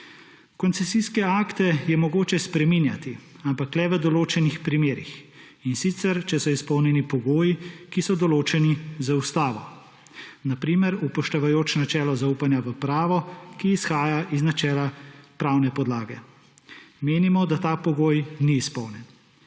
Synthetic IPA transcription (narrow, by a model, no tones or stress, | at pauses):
kɔnsɛsiskɛaːkt̪ɛjɛmɔɡoːt͡ʃɛspɾɛminjat̪i | ampaklɛʋəd̪ɔloːt͡ʃɛnixpɾimeːɾḭx | insit̪sɛɾt͡ʃɛsɔispɔwnjɛnipɔɡoːjikisɔd̪ɔloːt͡ʃɛnizaust̪aːʋɔ | napɾiːmɛɾupɔʃt̪ɛʋajoːt͡ʃnat͡ʃɛːlɔzauːpanjaʋəpɾaːʋɔkiːsxaːjaʔiznat͡ʃɛːlapɾaːwnɛpɔd̪laːɡɛ | meːnimɔd̪at̪aːpɔɡoːjniːspɔwnjɛn